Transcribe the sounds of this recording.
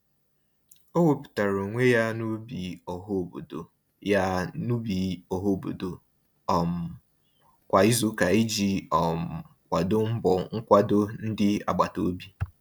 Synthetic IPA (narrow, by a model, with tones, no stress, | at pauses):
o˦wo˦pu̥˨ta˨ɾo˨ŋʷe˦ja˦nu˦bi˨ɔ˨ɦo˦˨bo̰˨do̰˨ | ja˦nu˦bi˨ɔ˨ɦo˦˨bo̰˨do˨ | ɔ˨m̩˨ | kʷa˨i˦zu˦ka˨i˦d͡ʒi˨ɔ˨m̩˨ | kʷa˨do˦m̩˦bɔ˨ŋ̩˦kʷa˦do˦n̩˦dɪ˦a̰˨ɡ͡ba˨to˨˦bi˦